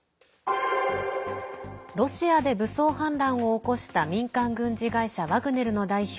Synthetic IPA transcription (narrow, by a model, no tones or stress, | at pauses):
ɾo̞ɕiad̪e̞bɯ̟so̞ːhãnɾãɰ̃o̞ːko̞ɕi̥t̪amʲĩŋkãŋɡɯ̟̃ɲ̟d͡ʑiɡaiɕaβaɡɯ̟ne̞ɾɯ̟no̞d̪aiç